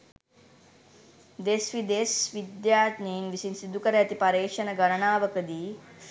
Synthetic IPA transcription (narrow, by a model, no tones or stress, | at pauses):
d̪esʋid̪esʋid̪jaːt̪niːnʋisinsid̪ʱukɐɾeɐt̪ipɐɾeːʂɐnɐɡɐɾɐɳaːʋɐkɐd̪i